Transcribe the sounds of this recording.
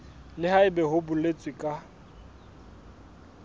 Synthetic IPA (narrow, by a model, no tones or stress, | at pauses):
lɪɦaɪbɛɦʊbʊlet͡sʼwɪkʼa